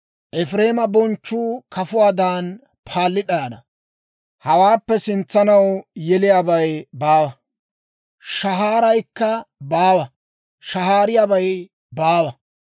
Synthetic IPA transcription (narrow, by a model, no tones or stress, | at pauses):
ʔɛfɾe̞ːmɐbɔnt͡ʃːuːkʰɐfʊwaːd̪aːn | pʰaːlːɪᶑanɐ | hɐwaːpːɛsɪnt͡sːɐnɐwjɛlɪjaːbɐjbaːwɐ | ʃɐɦaːɾɐjkːɐbaːwɐ | ʃɐɦaːɾɪjaːbɐj | baːwɐ